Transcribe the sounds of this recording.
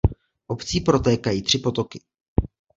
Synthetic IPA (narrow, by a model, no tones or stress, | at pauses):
ʔopt͡siːpɾo̞t̪ɛːkajiːt̪r̝̥ɪpo̞t̪o̞kɪ